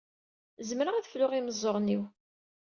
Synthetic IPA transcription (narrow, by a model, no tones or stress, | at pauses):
zmɾəʁæðflʊʁiməzˤːoɾˤniw